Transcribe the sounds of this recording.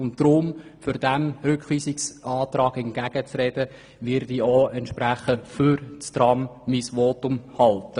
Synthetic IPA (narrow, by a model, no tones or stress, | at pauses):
ʊntd̥ɾʊmfyɾd̥æmɾʏkχʋiːsɪksʔɑːtrɑːɡɛnɡ̥æɡ̥ət͡srɛd̥ə | vɪɾdioɛntʃpɾæχəfyɾt͡stɾɑmmisʋɔːtʊmhɑltə